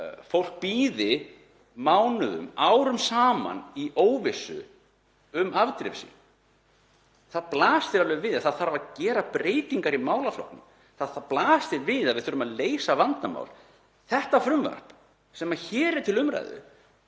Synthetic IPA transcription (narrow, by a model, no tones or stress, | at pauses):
fowl̥k̚piːðɪ | maːwnʏðʏ̰maːwɾʏmsaːma̰niʔoːwvɪsʏ̰ | ʏmavt̪ɾɪ̰fsḭ | θaðplaːst̪ɪɾalɛvɪðaθaðθaɾvaðcɛːɾapɾeːjt̪iŋkaɾimaːwlaflɔ̰whknɪ̰m | θaðθaðplaːst̪ɪvɪðaðvɪðθʏɾʏmaðleːjsavant̪ama̰wl | θɛht̪afɾʏmvœ̰r̥p | sɛmaçɛːɾɪt̪ʰɪlʏmɾa̰jðʏ̰